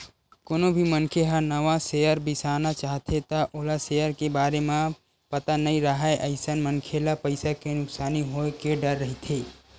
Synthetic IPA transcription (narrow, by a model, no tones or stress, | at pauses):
koːnõbʱimənkʰeɦəɾnəʋãsejəɾbɪsaːnat͡ʃaːɦt̪ʰet̪aʔoːlasejəɾkebaːɾemẽ | pət̪anɐĩɾəɦaeʔɐɪsənmənkʰelapəɪsakenʊksaːniɦokeɖəɾːɐɦit̪ʰeː